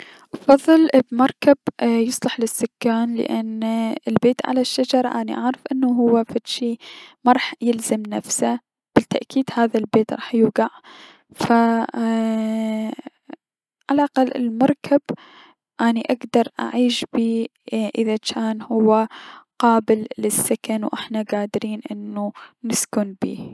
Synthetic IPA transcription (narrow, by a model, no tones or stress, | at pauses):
ʔɑfɑðˤːɨlbmɑɾˤkabjɨsˤlɑħlɪsːʊkːaːnlɪ̰ʔanɪlbeːt̪ʕa̰laʃːad͡ʒɑɾˤɑʔaːnḭʔaʕɾɑfʔɪnːaɦʊwːafat̪ʃimaɾˤɑːħjɪlzamnafsa | b̥ɪt̪ːaʔkiːd̪haːðalbeːt̪ɾˤɑ̰ːħjuːɡɑʕ | fa | ʕalaʔaqɑlːɪ̰lmɑɾˤkʰab | ʔaːniʔaɡd̪ɑɾˤʔa̰ʕiːʃbiːʔɪðat͡ʃaːnhʊwːaqɑːbɪlːɪsːakanwʔɪ̰ħnaɡaːd̪ɾiːnʔɪnːunɪskʊnbḭː